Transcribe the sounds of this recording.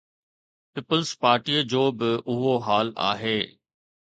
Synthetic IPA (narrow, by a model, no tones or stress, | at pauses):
piːpəlzpaːɾʈiːəd͡ʑoːbɪʊɦoɦaːla̰ːɦeː